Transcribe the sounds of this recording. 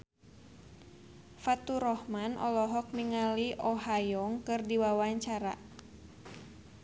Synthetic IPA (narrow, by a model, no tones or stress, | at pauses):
fat̪uɾɔhmanɔ̰lɔɦɔk̚miŋaliʔɔɦajɔŋkɨrdiwawaɲt͡ʃaɾa̰